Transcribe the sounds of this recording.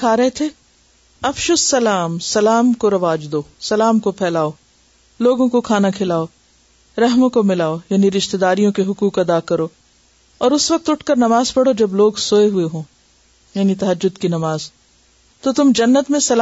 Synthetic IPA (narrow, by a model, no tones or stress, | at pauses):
kʰaːɾɐɦet̪ʰe | ɐfʃosːɐlaːmsɐlaːmkoɾɐʋaːd͡ʒd̪oːsɐlaːmkopʰɛːlaːo | loːɡõkokʰaːnakʰɪlaːo | ɾɐɦmõkomɪlaːojaːniɾɪʃt̪ed̪aːɾijõkeɦʊkuːkɐd̪akɐɾoː | ɔːɾʊsʋɐk̚t̪ʊʈʰkɐɾnɐmaːzpɐɽod͡ʒɐbloːɡsoːeɦʊeɦõː | jaːnit̪ɐɦɐd͡ʒːʊd̪kinɐmaːz | t̪ot̪ʊmd͡ʒɐnːət̪mẽsɐl